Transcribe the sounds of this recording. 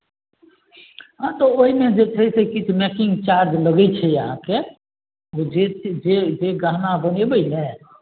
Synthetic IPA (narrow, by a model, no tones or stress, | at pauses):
ɦãt̪ooɦimẽd͡ʒet͡ʃʰəisekɪt͡ʃʰmekɪ̃ŋɡt͡ʃaɾd͡ʒləɡət͡ʃʰɛjəɦã̰ke | od͡ʒed͡ʒed͡ʒeɡãːnabənebəinɛ